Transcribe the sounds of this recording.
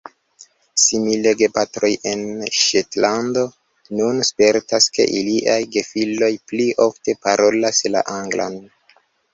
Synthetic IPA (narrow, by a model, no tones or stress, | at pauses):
simileɡe̞patɾo̞je̞nʃetlando̞ | nunspe̞ɾtaske̞̰ʔiliʔajɡe̞filo̞jpliʔo̞fte̞paɾo̞lasla̰ʔaŋɡla̰n